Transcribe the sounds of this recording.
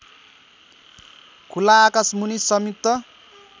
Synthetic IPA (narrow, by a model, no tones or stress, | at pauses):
kʰulaːkasmunisʌmit̪ːʌ